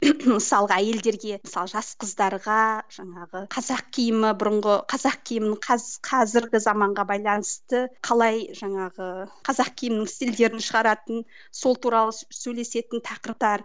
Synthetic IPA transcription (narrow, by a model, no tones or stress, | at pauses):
məsɑlˠʁəæje̞ld̪e̞ɾɡʲe̞məsɑlˠəʒɑsqəzd̪ɑɾʁɑʒ̥ɑɴɑʁəqʰɑzɑq̚kʲʰijɪmɪbʊɾʊɴʁəqʰɑzɑq̚kʲʰijɪmɪnəɴqʰɑqʰɑzɪɾɡʲɪzɑmɑɴʁɑbɑjlˠɑnəst̪əqʰɑlˠɑjʒɑɴɑʁəqʰɑzɑq̚kʲʰijɪmɪnɪŋst̪ild̪e̞ɾɪnʃəʁɑɾɑt̪ən | so̞lˠt̪ʰuɾɑlˠəsɵjle̞se̞t̪ɪnt̪ʰɑqəɾp̚t̪ɑɾ